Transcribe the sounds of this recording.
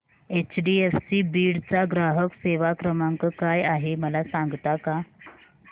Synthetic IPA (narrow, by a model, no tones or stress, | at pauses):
et͡ɕɖiefsibiːɽt͡saɡɾaɦəkseʋakɾəmaŋkəkajaɦeməlasaŋɡt̪aka